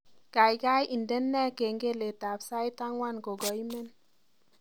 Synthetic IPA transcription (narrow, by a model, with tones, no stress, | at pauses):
ka˨jka˦jʔi˨nde˦nːɛ˦ke˨ŋɡe˦le˨ta˨psa˦jta˦ŋwa˦nko˨ɡɔ˨i˦mɛ˦n